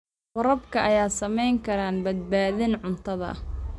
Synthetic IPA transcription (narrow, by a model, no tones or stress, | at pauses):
wɐɾɐbkʰɐʔɐjaːsɐmɛjŋkʰɐɾaːnbɐd̪̚baːðɪnʕʊnt̪ʰɐðɐ̰